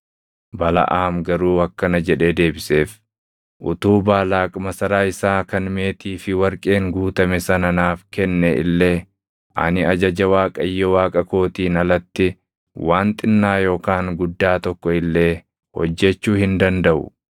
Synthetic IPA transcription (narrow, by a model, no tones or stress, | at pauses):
bɐlɐ̰ʔaːmɡɐɾuːɐkːɐnɐd͡ʒɛᶑe̞ːd̪e̞ːbɪse̞ːf | ʔʊ̰t̪uːbaːlaːkʼmɐsɐɾaːɪsaːkɐnme̞ːt̪iːfɪwɐɾkʼe̞ːŋɡuːt̪ɐmɛsɐnɐnaːfkɛnːɛɪ̰lːe̞ː | ʔɐ̰nɪɐd͡ʒɐd͡ʒɐwaːkʼɐjːɔwaːkʼɐko̞ːt̪iːnɐlɐt̪ːɪ | waːnt̪ʼɪnːaːjo̞ːkaːŋɡʊd̪ːaːt̪ɔkːɔɪlːe̞ː | hɔ̰d͡ʒːɛt͡ʃːuːhɪnd̪ɐnd̪ɐʔʊ̰